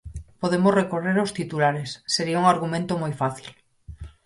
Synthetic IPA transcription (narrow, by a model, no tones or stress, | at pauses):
poðemosrekoreɾost̪it̪ulaɾesːeɾiauŋaɾɣumẽnt̪omojfaθil